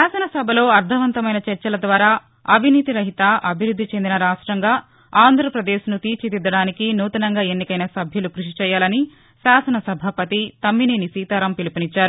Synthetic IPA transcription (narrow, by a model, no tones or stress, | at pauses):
aːsɐnɐsɐbʱɐlo̞ːɐɾd̪ʱɐʋɐnt̪ɐmɐjnɐt͡ʃɐɾt͡ʃɐlɐd̪ʋaːɾaː | ɐbʱiniːt̪iɾɐɦit̪ɐʔɐbʱiɾud̪ʱːit͡ʃe̞nd̪inɐɾaːʂʈɾɐŋɡaː | aːnd̪ʱɾɐpɾɐd̪eːʃnut̪iːɾt͡ʃid̪id̪ːɐɽaːnikinuːt̪ɐnɐŋɡaːe̞nːikɐjnɐsɐbʱjɐlukɾuʂit͡ʃɛːjːaːlɐni | ʃaːsɐnɐsɐbʱɐpɐt̪it̪ɐmːineːnisiːt̪aːɾɐmpilipinit͡ʃːaːɾu